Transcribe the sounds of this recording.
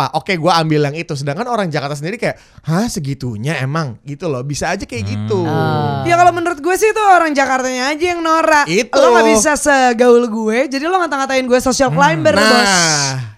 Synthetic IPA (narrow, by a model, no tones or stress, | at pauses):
paʔokeɡuaambilaŋit̪usədaŋkanoɾaŋd͡ʒakart̪asəndiɾikajaʔ | hasəɡit̪uɲaemaŋɡit̪ulɔhbisaːd͡ʒakajaɡit̪ujakalomənuɾʊt̪̚ɡuɛsɪhit̪uoɾaŋd͡ʒakart̪aɲaːd͡ʒajaŋnoɾaʔit̪loabis̬asəɡaʊlɡuɛd͡ʒadiloŋat̪aŋat̪aɪnɡuɛsosialklajmbərɔs